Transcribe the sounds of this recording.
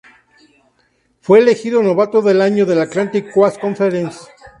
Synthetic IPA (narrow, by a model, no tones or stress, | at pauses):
fwe̞ːle̞xiðono̞βat̪oðe̞laɲo̞ðe̞lat̪lant̪ikːwasko̞ɱfeɾensa